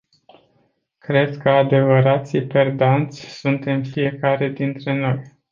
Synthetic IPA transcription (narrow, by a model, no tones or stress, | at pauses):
kɾe̞d̪kəad̪e̞vəɾat̪sʲipe̞rd̪ant̪sʲsunt̪e̞mfije̞kaɾe̞d̪int̪ɾe̞no̞j